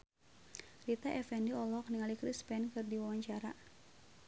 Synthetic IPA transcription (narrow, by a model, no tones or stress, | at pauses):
rit̪aʔɛfɛndiɔlɔk̚niŋalikɾispɛnkɨrdiwawaɲt͡ʃaɾa